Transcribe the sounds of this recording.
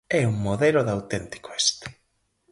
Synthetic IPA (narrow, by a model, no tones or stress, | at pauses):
ɛuŋmoðeloðawt̪ent̪i̥ko̥est̪e̥